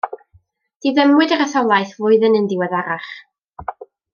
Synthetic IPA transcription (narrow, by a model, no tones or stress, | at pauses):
d̥iðəmwɨdəɾəθɔlˠajθvʊːɨðənəndɪwɛðaɾaχ